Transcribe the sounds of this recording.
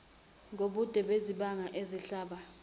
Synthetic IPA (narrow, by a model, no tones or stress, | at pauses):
ŋoɓud̥ʱɛɓeziɓaŋaʔeziɬaːɓa